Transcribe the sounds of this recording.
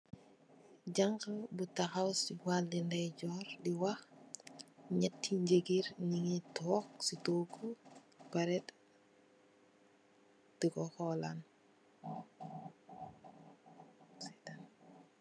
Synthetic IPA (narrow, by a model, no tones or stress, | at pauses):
ɟaŋkɐbutaxawsiwaldindɛjɟɔːɾdiwax | ɲɛtʰːiɲɟeɡiɾniŋitʰɔksitoːkːu | paɾɛt | tikɔxɔlan | setan